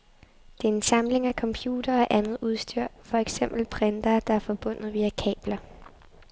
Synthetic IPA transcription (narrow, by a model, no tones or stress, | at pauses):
d̥e̝æɐe̝nsɑ̈mle̝ŋækʰɒ̽mpʰjuːd̥ɐːʔænð̞̩ˠuð̞ˠsd̥yɐ̰fɒ̽eɡ̥sem̰b̥l̩pʰʁend̥ɐːd̥ɑ̈æɐfɒ̽b̥ɔ̽n̰ð̩ˠʋiækʰɛ̰ːb̥lɐ